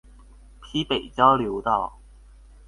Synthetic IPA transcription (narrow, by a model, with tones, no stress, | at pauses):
pʰi˥pe˨˩jt͡sa˥ljo˨˧˥t̪ɑ˥˩w